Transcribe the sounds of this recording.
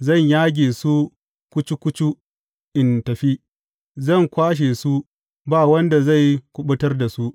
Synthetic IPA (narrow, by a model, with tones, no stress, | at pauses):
zɐ˦˨ɲjaː˦ɡʲeː˨su˦ | kʷʊ˦t͡ʃu˦kʷʊ˦t͡ʃu˦ | ʔɪ˨ntɐ˨ɸi˦ | zɐ˦˨ŋkʷaː˦ʃ̬eː˨su˦ | baː˦˨wɐ˦nda˨za˦˨jkʷʊ˦ɓʊ˦tɐ˦rda˨su˦ʔ